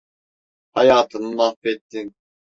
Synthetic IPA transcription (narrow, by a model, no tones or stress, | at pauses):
hɑjaːt̪ʰɯnɯlafɛt̪ːin